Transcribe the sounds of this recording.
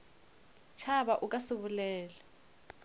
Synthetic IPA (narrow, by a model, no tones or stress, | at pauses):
t͡ʃʰaβaʔukʼasɪβulɛːlɛ